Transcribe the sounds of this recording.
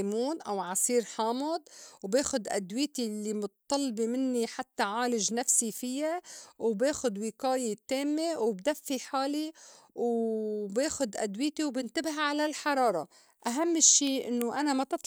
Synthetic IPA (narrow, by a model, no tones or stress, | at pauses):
muːnʔawʕɑsˤiːɾħɑːmʊd̪wbeːxʊd̪ʔa̰d̪wiːt̪ilːimʊt̪t̪ˤːɑlbimɪnːiħat̪ːaʕaːlɪʒnafsifɪjawbeːxʊd̪wɪkaːjet̪eːmːewbd̪afːiħaːli | wbeːxʊd̪ʔa̰d̪wiːt̪iwbɪnt̪abɪɦʕalalħɑɾˤɑːɾˤɑ | ʔaɦamːɪʃːiːʔɪ̰nːoʔanamat̪ɨt̪ˤ